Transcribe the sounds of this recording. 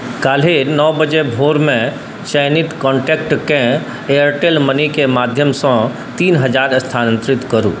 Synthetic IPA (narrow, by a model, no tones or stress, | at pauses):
kaːl̤enɔːbəd͡ʒebʱoːɾmẽ | ʃəjnɪt̪kɔ̃ːɳʈeːkʈkẽ | ejəɾʈeːlmənikemaːd̪ʱjəmsɔ̃ | t̪iːnɦɐd͡ʒaːɾst̪ʰaːnə̃nt̪ɾɪt̪kəɾṵ̃ː